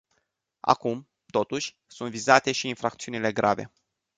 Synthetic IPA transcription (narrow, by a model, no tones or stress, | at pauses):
a̰kum | t̪o̞t̪uʃʲ | sunt̪vizat̪e̞ʃiːnfɾak̚t̪siunile̞ɡɾʔave̞̰